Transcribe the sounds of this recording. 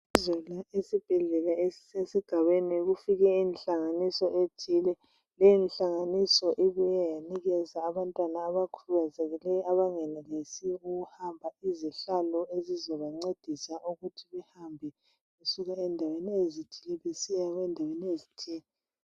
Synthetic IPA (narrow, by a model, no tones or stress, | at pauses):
izɔlaesib̥ʱɛɮɛlaesesiɡ̥ʱaβeniɣufiɣɛinɬaŋanisɔʔed̥ʰʱilɛ | lɛjinɬaŋanisɔʔiβujɛjaniɣɛzaːβantʼwanaːβakʰuluɣazɛɣɛlɛaβaŋɛnɛɣesiuɣuhambʱaiziɬalɔezizɔβaŋ͡ǀed̥ʱisaʔuɣutʰiβɛhambʱɛ | ɣusuɣaɛndʱaweniezitilɛβesijaβɛndʱaweniezitʰiːŋi